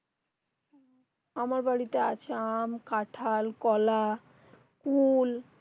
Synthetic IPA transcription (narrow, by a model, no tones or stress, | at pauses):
amaɾbaɽitaa̰t͡ɕʰeamkaʈʰalkɔla | kul